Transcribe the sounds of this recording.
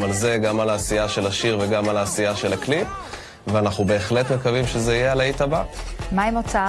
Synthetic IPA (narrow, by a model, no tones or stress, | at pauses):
malze̞ɡamalaːsijaʃe̞laʃiʁveɡamalaːsiaʃe̞laklip | veanaχnube̞ːχle̞t̪mekavimʃezeijealait̪abamaemot͡saa